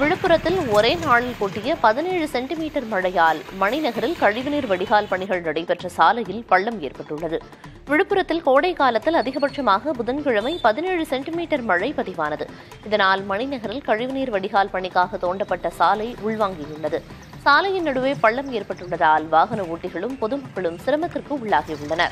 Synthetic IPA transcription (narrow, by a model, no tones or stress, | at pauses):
ʋɪɻɯpːɯɾɐt̪ːɪlɔɾeːnaːɭɪlkoːʈːɪjɐpɐðɪneːɻɯsɛɳʈɪmiːʈːɐɾmɐɻɐjaːlmɐɳɪnɐɣɐɾɪlkɐɻɪʋɯniːɾʋɐɽɪɣaːlpɐɳɪɣɐɭnɐɽɐpɛʈrɐsaːlɐjɪlpɐɭːɐmeːrpɐʈːɯɭːɐðɯ | ʋɪɻɯpːɯɾɐt̪ːɪlkoːɽɐɪkaːlɐt̪ːɪlɐðɪɣɐbɐʈʂɐmaːɣɐbʊðɐnkɪɻɐmɐɪpɐðɪneːɻɯsɛɳʈɪmiːʈɐɾmɐɻɐɪpɐðɪʋaːnɐðɯ | ɪðɐnaːlmɐɳɪnɐɣɐɾɪlkɐɻɪʋɯniːɾʋɐɽɪɣaːlpɐɳɪkːaːɣɐt̪ːoːɳɖɐpːɐʈːɐsaːlɐɪʊɭʋaːŋɡɪjʊɭːɐðɯ | saːlɐjɪnnɐɽɯʋeːpɐɭːɐmeːɾpɐʈːɯɭːɐðaːlʋaːɣɐnɐuːʈːɪɣɐɭɯmpɔðɯmɐkːɐɭɯmsɪɾɐmɐt̪ːɪrkɯʊɭːaːɣiʊɭːɐnɐ̰ɾ